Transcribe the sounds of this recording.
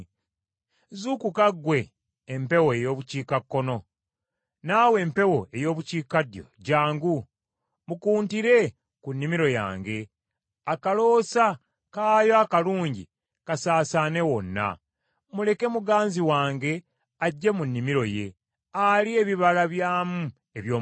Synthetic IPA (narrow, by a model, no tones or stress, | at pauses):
zukukaɡwe̞ː | mpe̞woejo̞ːβuciːkakːo̞no̞ | naːwe̞ːmpe̞wo̞e̞jo̞ːβuciːkadjo̞̰ɟaːŋɡu | mukuːntiɾe̞ | kunːimiɾo̞ja̰ːŋɡe̞ | akalo̞ːsa | kaːjoakaluːɲɟḭ | kasaːsaːne̞wo̞nːa̰ | mule̞ke̞muɡaːnziwaːŋɡe̞ | aɟːe̞munːimiɾo̞je̞̰ | alie̞βiβalaβjaːmu | e̞βjoː